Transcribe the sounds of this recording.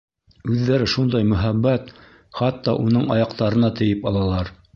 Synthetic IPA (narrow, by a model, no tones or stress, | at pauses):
ʉðːæɾɘʃund̪ɑjmɵ̆ɦæbːæt̪ | χɑt̪ːɑʔunɤɴɑjɑqt̪ɑɾɤ̆nɑt̪ɘ̆jɘpɑlˠɑlˠɑɾ